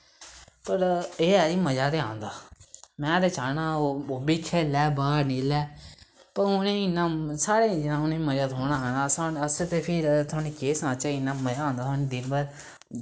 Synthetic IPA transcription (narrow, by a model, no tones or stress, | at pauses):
pəɾeːɛːiːməd͡ʒaːt̪eːãːnd̪aːmɛ̃ːt̪eːt͡ʃaːnãːoːobiːkʰɛːlɛːbaːɾniːlɛː | pəɾʊnẽːɪnãːsaːɽeːd͡ʒɪnãːʊneːməd͡ʒaːt̪oːnaːɦɛːnaːsãːəsət̪eːpʰɪɾt̪ʰʊaːniːkeːsnãːt͡ʃaɪnaːməd͡ʒaːãːnd̪aːt̪ʰaːnĩːd̪ɪnbəɾ